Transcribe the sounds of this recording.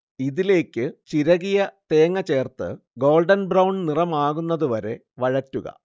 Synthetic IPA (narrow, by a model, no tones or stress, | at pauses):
iðile̞ːkʲːɨt͡ɕiɾɐɣijɐt̪e̞ːŋːɐt͡ɕe̞ːrt̪ɨ̰ | ɡo̞ːlɖɐnbrɐwɳɖnirɐmaːɣunːɐðuʋɐɾe̞ | ʋɐɻɐtːuɣɐ̰